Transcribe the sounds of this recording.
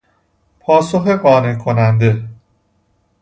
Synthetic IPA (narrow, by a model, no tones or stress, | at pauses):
pʰɒːsoxeɢɒːne̞kʰo̞nænd̪e̞